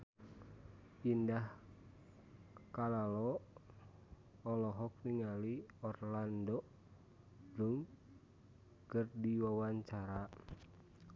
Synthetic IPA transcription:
indah | kalalɔ | ɔlɔɦɔk̚niŋaliɔrlandɔ | bluŋ | kɨrdiwawaɲt͡ʃaɾa

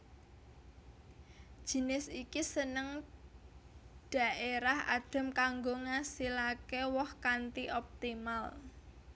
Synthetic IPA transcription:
ʒ̥i̤nɪsikisənəŋ | ɖ̥a̤ʔeɾaha̰ɖ̥ə̤mkaŋɡoŋasilakewɔhkant̪iʔɔp̚t̪imal

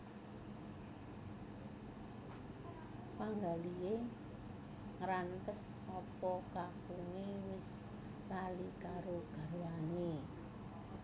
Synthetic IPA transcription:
paŋɡalije | ŋɾant̪əs | ɔpɔkakuŋewɪs | lalikaɾoɡ̥a̤ɾwane

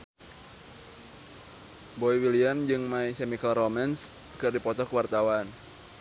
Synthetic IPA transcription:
bɔiwiliamd͡ʒɨŋmaisɛmikalromɛns | kɨrdipɔt̪ɔkəwart̪awan

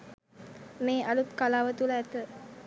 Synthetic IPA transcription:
meːʔalut̪kalaːʋət̪uləæt̪ə

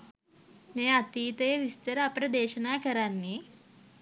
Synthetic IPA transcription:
neːɐt̪iːt̪ejʋist̪ɐɾɐɐpɾɐd̪eːʃɐnaːkɐɾanːi

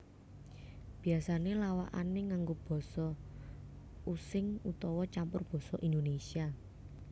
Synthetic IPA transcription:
b̥i̤asanelawa̰ʔa̰neŋaŋɡob̥ɔ̤sɔ | usɪŋut̪ɔwɔt͡ʃampʊrb̥ɔ̤sɔʔind̪onesia

